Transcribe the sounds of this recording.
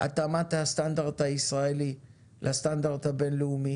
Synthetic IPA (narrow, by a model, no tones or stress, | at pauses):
a̰t̪amat̪hast̪and̪aʁd̪haisʁaeli | lʔast̪and̪aʁd̪habe̞nleumi